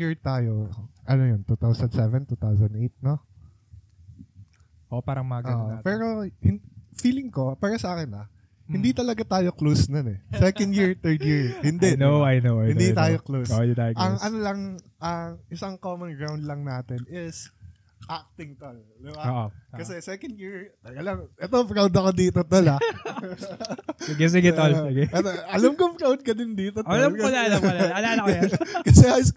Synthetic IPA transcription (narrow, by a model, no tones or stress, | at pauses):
jiɹt̪aːjo̞ʔɐnojont̪ut̪awsɐnd̪sɛvɛnt̪uːt̪awsɐnd̪ʔejt̪̚no | ʔoʔopaːɾɐŋmɐɡʔɐːʔopɛːɾo̞hɪfiːlɪŋko̞paːɾɐsɐʔaːkɪnɐ | hɪnd̪it̪ɐlɐɡat̪aːjo̞klowsnɐnɛsɛkɐ̃nd̪jɪɹt̪ɛɹd̪jɪɹhɪnd̪ɛnoɐjnowajɪnd̪it̪aːjoklowsoʔjʊt̪ajɐŋʔɐnolɐŋ | ʔɐʔɪsɐŋkoːmɐnɡɹawnd̪lɐŋnaːt̪ɛnɪs | ʔak̚t̪ɪŋk̪ɐl | d̪ɪbaoːʔokɐsɛsɛkɐnd̪jiɹɐɐlɐmʔɛt̪ofɾawd̪ɐkod̪iːt̪ot̪ɐlɐ | sɪɡɛs̬ɪɡɛt̪olsɪɡɛɛt̪oʔɐlɐmkofɾawd̪̚kɐd̪ɪnd̪iːt̪oɐlɐɐlaɐlɐlaːlɐkjkɐsɛajs